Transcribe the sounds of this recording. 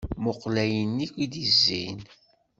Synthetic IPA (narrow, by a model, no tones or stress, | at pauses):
moqlæjənːikʷid̪izːḭn